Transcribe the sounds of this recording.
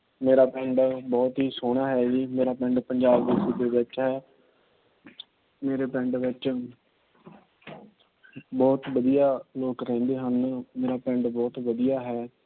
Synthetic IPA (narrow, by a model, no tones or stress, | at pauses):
meːɾaːpɛ̃ɳɖbɔːt̪ɦiːsoːɽ̃aːɦɛːɡiːmeːɾaːpɛ̃ɳɖpəɲd͡ʒaːbd̪eːsid̪eːʋɪt͡ʃɦɛː | meːɾeːpɛ̃ːɳɖʋɪt͡ʃ | bɔːt̪ʋəd̪ijaːloːkɾɛ̃ːnd̪eːɦənmeːɾaːpɛ̃ɳɖbɔːt̪ʋəd̪ijaːɦɛː